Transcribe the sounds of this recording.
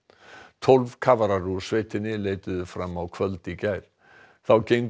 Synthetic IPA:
t̪ʰɔlvkʰavaɾarusveːjt̪ʰɪnːɪleːjt̪ʏðʏfɾamːawkʰvœlt̪icajɾ̥ | θawcejŋk

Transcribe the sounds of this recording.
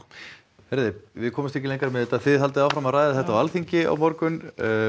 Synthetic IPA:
vɛɾðɪvɪðkʰɔːmɪst̪ɛcɪlejŋkaɾmɛðɛt̪ːaθɪðhalt̪ɪðawfɾamaraːjðaθɛht̪awalθiɲcɪa̰wmɔɾkʏnː

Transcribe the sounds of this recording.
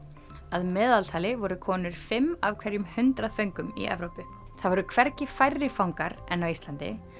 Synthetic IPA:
aðmɛːðalt̪ʰaːlɪvɔɾʏkʰɔːnʏɾ̥fɪmːavkʰvɛɾjʏmhʏnt̪ɾaðfœɥŋkʏmḭɛ̰vɾowpʏ | θaðvɔɾʏkʰvɛɾcɪfajɾːɪfawŋkaɾɛnːavist̪lant̪ɪ̰

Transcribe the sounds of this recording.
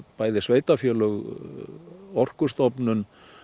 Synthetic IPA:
paːjðɪsveːjt̪afjœːlœɣ | ɔr̥kʏst̪ɔpnʏn

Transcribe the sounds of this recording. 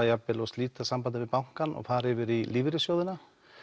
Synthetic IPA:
ajapːɪlɔɣst̪liːt̪asampant̪ɪvɪðpawŋ̥kanɔ̰faːɾɪvɪɾiliːvɪɾɪsjoːwðɪna

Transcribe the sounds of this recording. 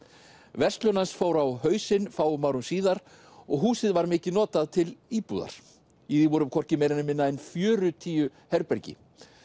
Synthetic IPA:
vɛr̥st̪lœnansfoːwɾawɦœːɥsɪnfaːwʏmaːwɾʏmsiːðaɾ | ɔɣɦuːsɪðvaɾmɪːcɪnɔːt̪aðt̪ʰɪliːpṵða̰ɾ̥ | iðivɔɾʏmkʰɔr̥cɪmeːjɾɪnɪmɪnːaɛnfjœːɾʏt̪ʰiːjʏhɛɾpɛɾcɪ̰

